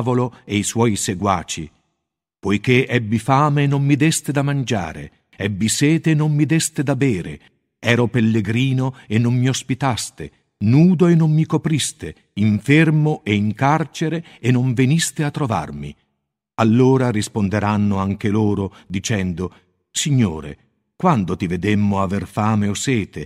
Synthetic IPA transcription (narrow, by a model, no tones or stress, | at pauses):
voloeiswɔːjseɡwaːt͡ʃḭ | pojk̟eɛbːifaːmenːomːid̪ɛst̪ed̪amand͡ʒa̰ːɾḛ | ɛbːisɛːt̪enomːid̪ɛst̪ed̪abɛːɾḛ | ɛːɾopelːeɡɾiːnoenːommiospit̪ast̪ḛ | nuːd̪oenːomːikopɾist̪e | iɱfermoʔeiŋkart͡ʃeɾeːnːoɱvenist̪eat̪ːɾova̰rmḭ | alːoːɾarispond̪eɾanːoaŋk̟eloːɾod̪it͡ʃɛnd̪o | siɲːo̰ːɾḛ | kwand̪ot̪ived̪emːoaverfaːmeosɛːt̪e